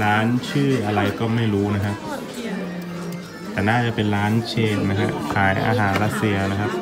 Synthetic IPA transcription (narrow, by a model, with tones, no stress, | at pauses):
ɾaː˦˥nt͡ɕʰɯː˥˩ʔa˧ɾa˧jkɔː˥˩ma˥˩jɾuː˦˥na˦˥kʰa˦˥p̚ | t̪ɛː˨˩naː˥˩t͡ɕa˨˩pe˧nɾaː˦˥nt͡ɕʰeː˥˩t̪̚na˦˥kʰa˦˥ʔkʰaː˩˦jʔa̰ː˧ɦaː˩˦nɾa˦˥t̪̚si˧ɐna˦˥kʰa˦˥p̚